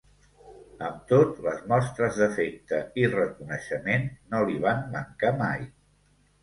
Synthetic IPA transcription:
əmt̪ot̪ləzmɔst̪ɾəzðəfek̚t̪əirəkunəʃəmenːoliβ̞anməŋkama̰j

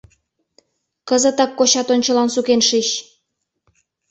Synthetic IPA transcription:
kəzə̆t̪ɑkːoɕɑt̪onʲt͡ɕə̆lɑnsukenʃiɕ

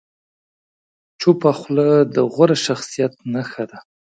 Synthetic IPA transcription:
t͡ʃopaxləd̪əɣʷaɾaʃaxsijat̪̚naxad̪a

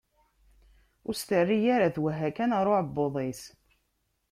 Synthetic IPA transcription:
ʊɾst̪ərːijaɾaθwæɦækænʁɾˤoʕəbːoðˤis

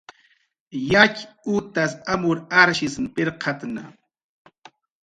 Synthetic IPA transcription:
jat͡ʃut̪asamʊɾaɾʃɪsnpɪɾqʰɑt̪na̰

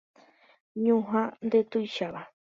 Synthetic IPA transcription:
ɲũɦãnd̪et̪ujʃaβa

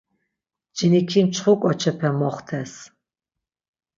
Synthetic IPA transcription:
d͡ʒinikʰimt͡ʃʰχukʷʼɔt͡ʃʰɛpʰɛmɔχt̪ʰɛs

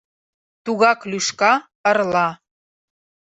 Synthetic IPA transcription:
t̪uɣɑklyʃkɑ | ɤ̆rlɑ

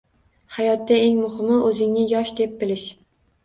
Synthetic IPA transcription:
hajɒt̪ːaeŋmʊhɪmɪʔɵzɪŋnɪjɒʃd̪ep̚bɪlɪʃ

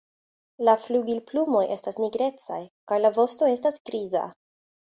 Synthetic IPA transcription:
lafluɡilplumojʔe̞stasniɡɾe̞t͡sa̰jkajlavo̞sto̞e̞stasɡɾiza̰

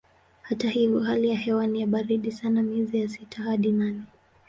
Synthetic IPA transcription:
hatahivjɔɦalijahɛwanijaɓaɾiɗisanamiɛzijasitʰahaɗinanɛ

